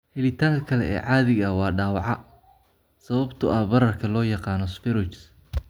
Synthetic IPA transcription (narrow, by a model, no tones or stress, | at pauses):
hɛlɪt̪ʰaːŋkʰɐkʰɐlɛ̰ɛ̰ːʕɑːðɪɣɐwɑːɖaːwɑʕɑ | sɐβɐbt̪ʰʊʔɐbɐɾɐrkʰɐlɔːjɑqɑːnɔsfɪɾɪt͡ʃs